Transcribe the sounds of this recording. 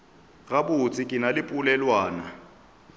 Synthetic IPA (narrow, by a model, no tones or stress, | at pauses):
ɣabʊt͡sʰʼɪkʼɪnalɪpʼʊlɛlwaːna